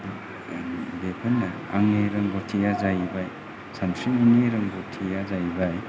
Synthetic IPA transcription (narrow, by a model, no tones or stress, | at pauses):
depʰɐnːɐaŋeɾɐŋɡotʰijazajbaj | samsiuneɾɐŋɡotʰijazajbaj